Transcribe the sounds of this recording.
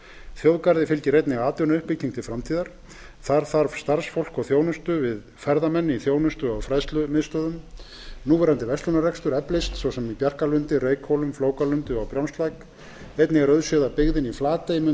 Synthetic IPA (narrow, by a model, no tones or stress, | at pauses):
θjowðkaɾðɪfɪlcɪɾejt̪nɪɣaːt̪ʏnʏhpːɪc̪̚ʰiŋkt̪ʰɪlfɾamt̪ʰiːðaɾ̥ | θaɾ̥θaɾ̥st̪aɾ̥sfowl̥kɔɣθjoːwnʏst̪ʏvɪð | fɛɾðamɛnːɪiθjoːwnʏst̪ʏawfɾaðst̪lʏmɪðst̪œːðʏm | nuːvɛːɾant̪ɪvɛst̪lʏnarɛkst̪ʏɾɛplɪst̪sowsɛmipjar̥kalʏnt̪ɪreːjkhowlʏmfloːwkalʏnt̪ʏawpɾjawnst̪lajk | ejt̪nɪɣaɾœðsœðapɪɣðɪniflaːt̪ejmʏ